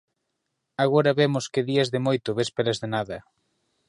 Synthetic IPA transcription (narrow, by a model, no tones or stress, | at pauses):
aɣoɾɐβemʊskɪðiɐzðɪmojt̪ʊβespelazðenaðɐ